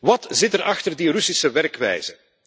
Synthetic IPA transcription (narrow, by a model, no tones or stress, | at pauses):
ʋɑtzɪtəɾɑxtərdirysisəʋɛrkʋɛ̰jz̥ə